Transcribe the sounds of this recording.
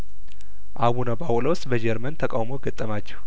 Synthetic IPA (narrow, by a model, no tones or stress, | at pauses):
ʔaβunabawlowst̪ʼbəd͡ʒɛɾmənt̪ʰəkʼawmoɡət̪ʼːəmat͡ʃːɛ̥w